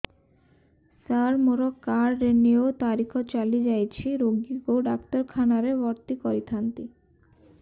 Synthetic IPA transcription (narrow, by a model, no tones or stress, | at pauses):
saɾmoɾokaɾːeniot̪aɾikʰot͡ɕalid͡ʑajt͡ɕʰiɾoɡiɡoɖakt̪oɾkʰanaɾebɔɾt̪ikɔɾit̪ʰant̪i